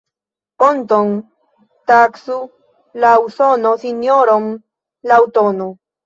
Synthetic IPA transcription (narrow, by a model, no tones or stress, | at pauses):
pont̪on | t̪aksu | lawsonosinjoɾom | lawt̪ono